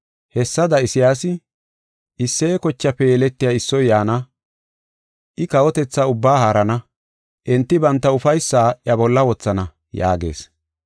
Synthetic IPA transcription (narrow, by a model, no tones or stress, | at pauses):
hɛsːɐd̪ɐɪsɪjaːsɪ | ʔɪsːeːkɔt͡ʃːɐpɛjɛlɛt̪ːɪjaɪsːɔjjaːnɐ | ʔɪkɐwɔt̪ɛt͡sːaʊbːaːhaːɾɐnɐ | ʔɛnt̪ːɪbɐnt̪ːɐʊfɐjsːaːʔɐbɔlːɐwɔt͡sːɐnɐ | ja̰ːɡe̞̰ːs